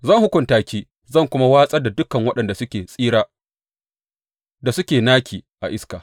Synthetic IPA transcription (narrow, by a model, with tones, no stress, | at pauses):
zɐ˦˨ŋhʊ˦kʷʊ˨ntaː˨kʲiː˦ | zɐ˦˨ŋkʷʊ˦ma˦waː˦sʼɐ˦da˨dʊ˦kɐ˨ŋwɐ˦ɗɐ˨nda˨sʊ˦kʲeː˨sʼiː˦ɾaː˦ | da˨sʊ˦kʲeː˨naː˦kʲʰiː˨ʔa˨ʔɪ˦ska˨